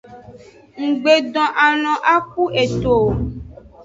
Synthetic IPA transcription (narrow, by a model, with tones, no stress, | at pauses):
ŋ̩˨ɡ͡be˨ɖɔ̃˨ʔa˨nɔ̃˨ʔa˦k̚u˦e˨t̪o˨